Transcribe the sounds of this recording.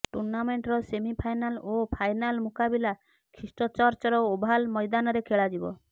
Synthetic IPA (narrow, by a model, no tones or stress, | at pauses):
ʈuɾnameɳʈɾɔsemipʰajnalopʰajnalmukabila | kʰɾisʈɔt͡ʃɔɾt͡ʃɔɾɔobʱalmɔjd̪anɔɾekʰeɭad͡ʒibɔ